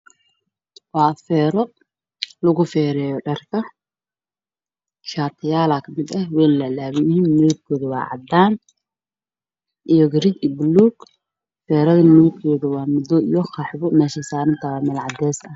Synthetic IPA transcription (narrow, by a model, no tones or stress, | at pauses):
wɑːfɛːɾɔ | lɐɣʊfɛːɾɛːjɔɖɐrkʰɐ | ʃaːt̪ʰɪjaːlaːkʰɐmɪd̪ɐhwɛːlɐlaːβɪjhiːnːuːɡ̚kʰɔːðɐwɑ̰ːʕɑ̰d̪aːn | ʔijɔɡɾit͡ʃɪbluːɡ | fɛːɾɐðɐnuːtkʰɔːðɐwɑːmʊd̪ɔijɔxɑħbɔmɛːʃɐsaːɾɪnt̪ʰamɛlʕɑd̪ɛːsɐh